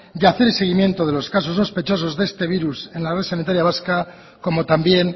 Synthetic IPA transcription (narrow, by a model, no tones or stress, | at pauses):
d̪eaθe̞ɾelse̞ɣimje̞nt̪oðe̞lo̞skaso̞sːospe̞t͡ʃo̞s̬o̞zðe̞st̪e̞β̞iɾuse̞nlareðsanit̪aɾjaβaska | ko̞mo̞t̪ambje̞n